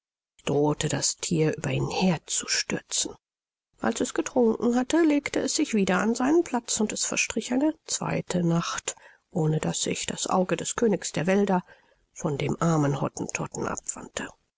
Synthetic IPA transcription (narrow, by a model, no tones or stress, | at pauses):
ʔɪçd̥ʁoːtʰədastʰiːɐʔyːbɐiːnheːɐt͡su̥ʃtʏɐt͡sn̩ | ʔa̰lsɛsɡ̥ətʁ̥ʊŋkŋ̩hatəleːktəɛsz̥ɪçv̥iːdɐanzaɪnənpʰl̥at͡sʊntɛsfɛɐʃtʁ̥ɪçaɪnət͡sv̥a̰ɪtʰənaχt | ʔoːnədasɪ̰çd̥asʔa̰ʊɡədɛskʰøːnɪksd̥eːɐvɛldɐ | fɔndeːmʔaɐmənhɔ̰tn̩tʰɔtn̩ʔa̰pv̥a̰ntʰə